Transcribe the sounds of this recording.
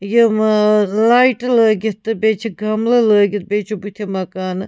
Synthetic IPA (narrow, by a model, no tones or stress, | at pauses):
jəmlajʈləɡʲit̪ːɨbeːt͡ʃʰiɡʱɐmlɐləːɡit̪̚beːt͡ʃʰubut̪ʰemɐkaːnɨ